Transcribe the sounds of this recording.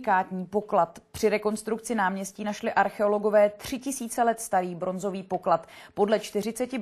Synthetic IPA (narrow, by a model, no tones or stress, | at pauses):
kaːt̪ɲiːpo̞klat̪pr̝̥ɪɾɛko̞nst̪ɾuk̚t͡sɪnaːmɲɛsciːnaʃlɪʔaɾxɛo̞lo̞ɡo̞vɛːt̪r̝̥ɪcɪsiːt͡sɛlɛt̪st̪aɾiːbɾo̞nzo̞viːpo̞klat̪po̞dlɛt͡ʃt̪ɪr̝ɪt͡sɛcɪ